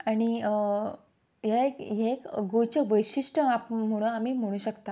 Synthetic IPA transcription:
aɽ̃i | ɦekɦekɡot͡ɕəʋəjɕiʂʈəapm̤əɽ̃ũamiːm̤əɽ̃ũːɕəkt̪a

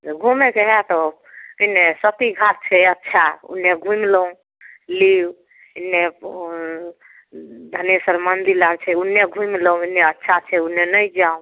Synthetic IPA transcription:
d͡ʒɡʱumekeɦɛt̪ɔ | inesət̪iɡʱat̪̚t͡ʃʰɛətːt͡ʃʰaṵnːeɡʱũmləũ | liw | inːe | d̪ʱənesəɾmənd̪ilaɡt͡ʃʰɛunːeɡʱũjmlə̃inːeətːʃʰat͡ʃʰɛunːenəjd͡ʒaũ

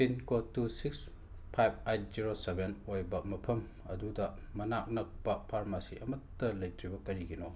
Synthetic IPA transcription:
tinkotːusiks | pʰajb̚ajt̚ziɾosebenojbɐmɐpʰɐm | ɐdudɐ | mɐnak̚nɐk̚pɐpʰaɾmasiʔɐmɐtːɐlɐjtɾibɐkɐɾiɡino

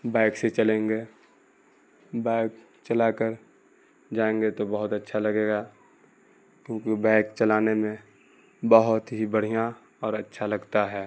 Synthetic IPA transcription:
baɪkset͡ʃəlẽːŋɡe | baɪk | t͡ʃəlakəɾ | d͡ʒaːẽŋɡet̪obəɦʊt̪ətːʃʰalɐɡeːɡa | kjõːkibaɪkt͡ʃəlaːnemẽ | bəɦʊt̪ɦibəɽ̤ija | ɔːɾətːʃʰalɐɡt̪aɦɛː

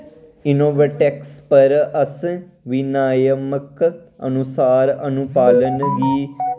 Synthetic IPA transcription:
ɪnoːʋəʈɛkspəɾəs | ʋɪnaːjəməkə̰nʊsaːɾə̰nʊpaːlənɡiː

